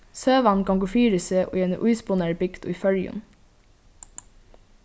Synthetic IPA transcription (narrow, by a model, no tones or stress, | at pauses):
søːʋɑnkɑŋɡoːfiːɾəseːʔṵiːeːnə̰ʔʉɪspʊneːɹbɪkt̪ʊ̰ɪfœljʉ̰n